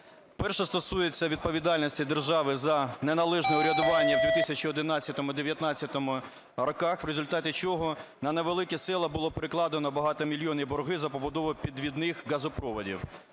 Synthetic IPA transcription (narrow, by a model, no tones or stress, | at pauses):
pɛrʃɛst̪ɔsujet͡sʲːɐʋʲid̪̚pɔʋʲid̪ɑlʲnʲisʲtʲid̪erʒɑʋɪzɐnenɐlˠɛʒnɛʊɾʲɐd̪ʊʋɑnʲːɐwd̪ʲʋʲit̪ɪsʲɐt͡ʃiɔd̪ɪnɑt͡sʲːɐt̪ɔmʊd̪eʋʲjɐt̪nɑt͡sʲːɐt̪ɔmʊ | ɾɔkɑxʋɾezʊlʲt̪ɑtʲɪt͡ʃɔɦɔnɐneʋelˠɪkʲɛsɪlˠɐbʊlˠɔpeɾɪklˠɑd̪enɔbɐɦɑt̪ɔmʲilʲjɔnibɔrɦɪzɐpɔbʊd̪ɔʋʊpʲid̪ʋʲid̪nɪxɣɐzʊpɾɔʋɔdʲḭw